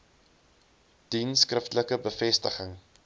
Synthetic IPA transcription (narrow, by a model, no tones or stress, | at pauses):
d̥inskrəftələkəbəfɛstəχəŋ